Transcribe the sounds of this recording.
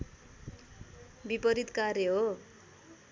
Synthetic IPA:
bipʌɾit̪karjeɦo

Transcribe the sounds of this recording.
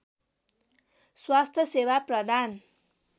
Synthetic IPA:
swast̪ʰjʌsewaprʌd̪ʱan

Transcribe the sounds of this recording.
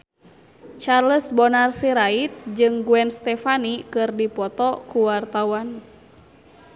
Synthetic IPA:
t͡ʃarləsbɔnarsiɾait̪̚d͡ʒɨŋɡuɛnst̪ɛfanikɨrdipɔt̪ɔkuwart̪awan

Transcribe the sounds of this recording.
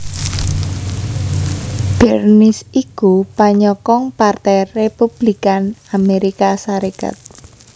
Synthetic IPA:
b̥ɛrnɪsikupaɲɔkɔŋpart̪ɛjrepub̥likanameɾikasaɾeka̰t̪̚

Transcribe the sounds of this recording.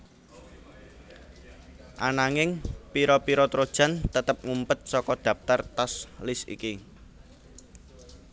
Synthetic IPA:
ʔanaŋɪŋpiɾɔpiɾɔt̪ɾod̥ʒ̥a̤nt̪ət̪əp̚ŋumpət̪̚sɔkɔd̪̥ä̤p̚t̪art̪ɔslɪsḭki

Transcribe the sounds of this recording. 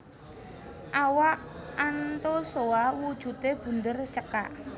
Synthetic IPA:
ʔawaʔant̪osoawud̥ʒ̥ṳt̪eb̥ṳnd̪ərt͡ʃəka̰ʔ

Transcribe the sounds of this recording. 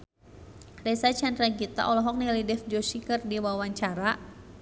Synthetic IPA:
rɛsat͡ʃand̪ɾaɡit̪a̰ʔɔlɔɦɔk̚nilidɛfd͡ʒɔsikərdiwawaɲt͡ʃaɾa

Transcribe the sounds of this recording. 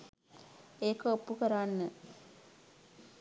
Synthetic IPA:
eːkəopːukəɾaːnːə

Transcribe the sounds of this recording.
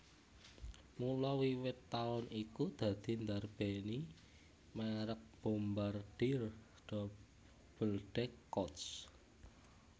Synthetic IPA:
mulɔwiwɪt̪ːaʊnikud̪̥ä̤d̪̥i̤nd̪arb̥eni | maɾək̚b̥o̤mbarɖ̥ir | d̥ɔ | b̥ə̤lɖ̥ɛkːɔt̪s

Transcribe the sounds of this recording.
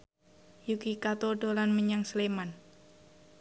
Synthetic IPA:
jukikat̪oɖolanməɲaŋsleman

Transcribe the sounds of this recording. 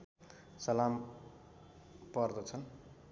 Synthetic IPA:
sʌlam | pʌrd̪ʌt͡sʰʌn

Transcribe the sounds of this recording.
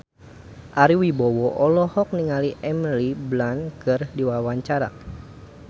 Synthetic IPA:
ʔaɾiwibɔwɔʔɔlɔhɔk̚niŋaliʔɛmliblankɨrdiwawaɲt͡ʃaɾa̰

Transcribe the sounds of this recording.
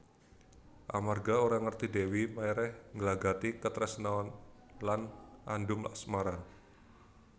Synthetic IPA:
ʔa̰marɡaoɾaŋərt̪idewimajɾɛhŋɡəlaɡat̪ikət̪ɾɛsnaɔnlanʔandʊmla̰ʔsmaɾa

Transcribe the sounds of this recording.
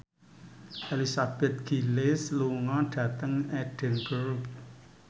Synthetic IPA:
ʔelisab̥ɛt̪̚ɡ̥ilɪsluŋɔɖ̥ä̤t̪əŋɛɖ̥ɛ̤nɡəɾp

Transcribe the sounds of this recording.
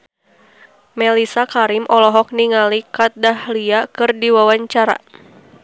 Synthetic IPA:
mɛlisakaɾimʔɔlɔɦɔk̚niŋalikat̪̚dahliakɨrdiwawaɲt͡ʃaɾa̰

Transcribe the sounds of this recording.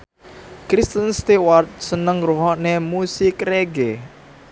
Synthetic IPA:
kɾist̪ənst̪ewart̪̚sənəŋruɦɔʔnemusikreɡe

